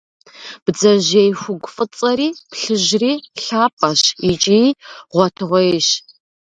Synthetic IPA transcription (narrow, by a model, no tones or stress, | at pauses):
b̥d͡zɐʒejxʷʊɡʷʼʊfʼɨt͡sʼɐriːpɬɨʒriːɬaːpʼɐʃit͡ʃʼijʁʷɔtʰɨʁʷɔeʃ